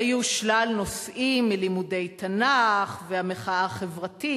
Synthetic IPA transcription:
ajuʃlalno̞sʔimːilimude̞jtanaχveameχaaχevʁati

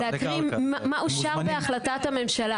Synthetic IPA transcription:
leakʁimmaʔuʃaʁbeaχlatathame̞mʃala

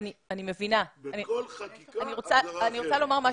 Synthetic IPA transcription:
nianime̞vinaani | aniʁot͡saaniʁot͡salo̞maʁma

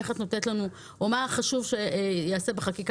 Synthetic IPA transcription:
eχat̪notetlanu | omaχaʃuvʃejaːse̞beχakik

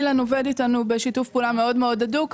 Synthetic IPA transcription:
lanoveditanubeʃitufpuːlame̞o̞dmeo̞daduk

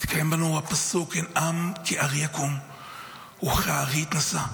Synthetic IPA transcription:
t̪kʰajembanowapasukenamkʰeʔaʁiakom | uχaʁit̪nasa

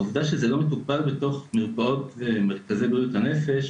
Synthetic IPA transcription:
uvd̪aʃezelo̞metupalbeto̞χmeʁpao̞tvemeʁkazejbujuthane̞fe̞ʃ

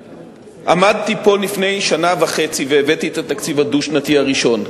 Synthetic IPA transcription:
ʔamad̪̚t̪ipo̞lifne̞jʃanavaχe̞t͡siveːvet̪iet̪at̪akt͡sivaduʃnat̪iaʁiʃo̞n

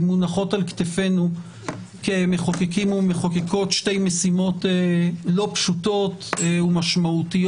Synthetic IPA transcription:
munaχo̞talkt̪efe̞nu | kemeχokekimumeχokeko̞tʃte̞jmesimo̞telo̞pʃuto̞tumaʃmautij

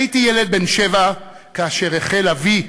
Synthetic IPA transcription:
itijeled̪̚benʃeva | kaːʃe̞ʁeχelavi

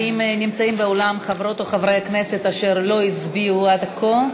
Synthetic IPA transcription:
imnimt͡saimbeolamχavʁo̞t̪oχavʁejakne̞se̞t̪aʃe̞ʁlo̞it͡sbiuad̪akʰo

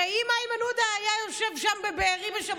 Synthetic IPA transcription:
aimajmanud̪aːjajo̞ʃe̞vʃambebeːʁibeʃa

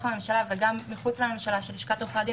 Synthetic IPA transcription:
χame̞mʃalaveɡamːiχut͡slame̞mʃalaʃeliʃkat̪oχad̪i

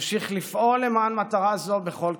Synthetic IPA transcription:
ʃiχlifʔo̞lemanmat̪aʁazo̞be̞χo̞l

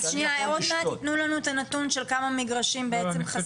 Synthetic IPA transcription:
ʃnijajeʁot̪meat̪t̪nulanuet̪anat̪unʃelkamamiɡʁaʃimbeet͡semχa

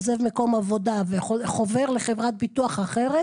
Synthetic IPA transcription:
zevmeko̞mavo̞d̪aveχoχove̞ʁleχevʁat̪̚bit̪uaχaχeʁe

